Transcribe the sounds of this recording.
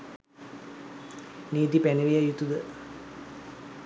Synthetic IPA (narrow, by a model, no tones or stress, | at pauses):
niːd̪ipæneʋijajut̪ud̪ə